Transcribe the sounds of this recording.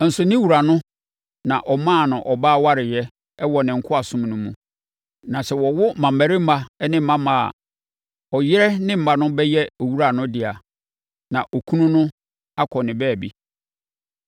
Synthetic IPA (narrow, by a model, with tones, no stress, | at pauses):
n̩˨sʊ˨nɪ̃˦wu˨ɾa˨nʊ̃˦ | nã˨ʔɔ˨mã˦˨nʊ̃˨ʔɔ˨baː˦wa˦ɾɪ˨jɛ˦ | ɛ˦wɔ˨nɪ̃˨ŋ̩˨kʰʊ˦a˨sʊ̃˦m˨nũ˦mṵ̃˨ | nã˨sɛ˨wɔ˨wʊ˦mã˨mæ˨ɾɪ˦m̩˦ma˦ɛ˦nɪ̃˦m̩˦mã˦mã̰˨ | ɔ˨jɪ˦ɾɛ˦nɪ̃˦m̩˨ba˦nʊ̃˦bɛ˦jɛ˦o˨wu˦ɾa˨nʊ̃˦dɪ˨a˨ | nã˨ʔɔ˨kʰu˦nũ˦nʊ̃˦ | a˦kʰɔ˨nɪ̃˨bɛː˦˨bḭ˦